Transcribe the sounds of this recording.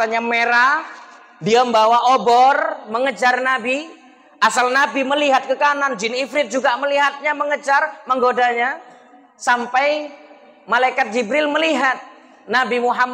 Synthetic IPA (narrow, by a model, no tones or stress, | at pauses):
taɲameɾah | diambawaʔobɔrməŋəd͡ʒarnabi | ʔasalnabiməliɦat̪̚kəkanand͡ʒɪnifɾɪt̪̚d͡ʒuɡaməliɦat̪̚ɲaməŋəd͡ʒarməŋɡodaɲa | sampaj | malaikat̪̚d͡ʒibɾɪlməliɦat̪̚ | nabimuɦam